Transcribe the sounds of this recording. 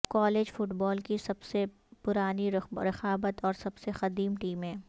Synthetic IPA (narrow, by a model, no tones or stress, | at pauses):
kɔːleːd͡ʒfʊʈbɔːlkisɐbse | pʊɾaːniɾɾɪxaːbət̪ɔːɾsɐbsexɐd̪iːmʈiːmɦɛ̃ː